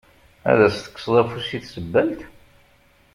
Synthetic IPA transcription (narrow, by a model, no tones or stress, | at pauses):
æ̰ðæst̪ə̥kːsˤðˤæfusiθsəbːəlt̪